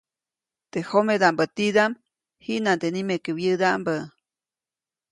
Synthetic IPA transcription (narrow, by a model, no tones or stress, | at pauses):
t̪ehomed̪ambət̪id̪am | hiʔnand̪enimekəwjɨd̪ambə